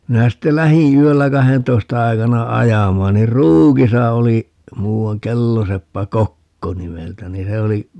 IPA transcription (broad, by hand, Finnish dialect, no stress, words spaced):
minæ sitːe læhĩː yølːæ kɑhentoistɑ ɑikɑnɑ ɑjɑmɑːn nir ruːkisɑ oli muːɑŋ kelːosepːæ kokːo nimeltæ ni se oli